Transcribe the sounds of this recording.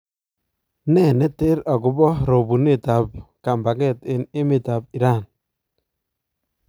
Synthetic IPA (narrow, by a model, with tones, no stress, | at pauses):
nɛ˦˨nɛ˦te˦ɾa˨kʊ˨˦bɔ˦ɾo˨bu˨ne˦ta˨p̚ka˨mba˨kɛ˦˨tɪ˨nɪ˦mɪ˨ta˨b̚i˨ɾa˦˨n